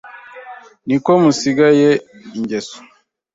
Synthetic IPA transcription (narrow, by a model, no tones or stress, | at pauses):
nikomusiɡaje | iɲɟeso̥